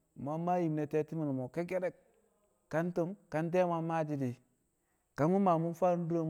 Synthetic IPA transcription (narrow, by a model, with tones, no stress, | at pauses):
ma˦ma˦ji˨mne˨te˦ti˦mi˨n˨mo˨ke˦k̬e˦ɾe˦k | kːa˦ntu˦mka˦nt̬e˦ma˦mːa˦˨d͡ʒi˦di˨ | ka˨mu˦ma˨mu˦nfa˦du˦ɾo˦m